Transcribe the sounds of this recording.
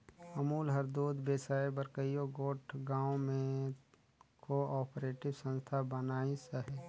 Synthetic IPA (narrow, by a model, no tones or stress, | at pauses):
əmuːlɦɐɾd̪uːd̪beːsaːebəɾkəjjoɡoːʈʰɡãːõmẽ | koɔːpɾeːʈɪbsə̃nst̪ʰabənaːisəɦɛ